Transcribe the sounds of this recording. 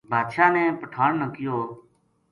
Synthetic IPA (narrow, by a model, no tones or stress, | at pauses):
bʱaːd̪ʃaːnɛ̃ːpəʈʰaːɳnəkɪjoː